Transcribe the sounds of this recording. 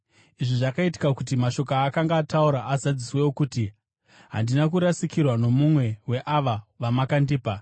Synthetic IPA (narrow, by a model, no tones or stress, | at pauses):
iʐiʐakaiti̥kakut̬imaʃo̞kaːkaŋɡaːtauɾaʔazad͡ziswe̞wokuti | ɦa̰ndinakuɾasikirwano̞mumwe̞we̞ʔaʋaʋamakandiːpa